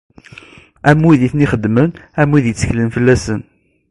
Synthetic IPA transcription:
æmːuðiθniχəd̪ːmənæmːiðjət͡sːə̥çlənfəlːæsən

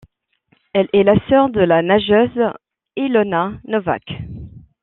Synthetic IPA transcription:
ɛlɛlasœʁd̪əlanaʒøz | ilɔnanɔva̰k

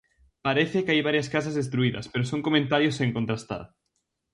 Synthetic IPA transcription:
paɾeθekajβaɾjɐskas̬azðest̪ɾuiðɐ̰speɾosoŋkomẽnt̪aɾjoseŋkont̪ɾast̪a̰ɾ

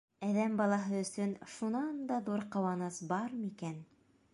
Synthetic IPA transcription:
æðæmbɑlˠɑɦɤɵ̆sɵnʃunɑnd̪ɑðuɾqɤ̆wɑnɤsbɑɾmikæn

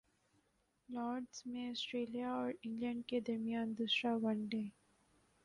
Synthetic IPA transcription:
lɔːɾɖzmẽɔsʈɾeːlijaɔːɾɪ̃ŋɡlə̃ɳɖ̚ked̪ɐɾmijãːnd̪ʊsɾaʋʌ̃nɖeː

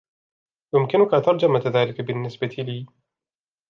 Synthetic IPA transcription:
jʊmkɪnʊkat̪ɑɾˤd͡ʒamaðaːlɪkabɪnːɪsbat̪ʰiliː

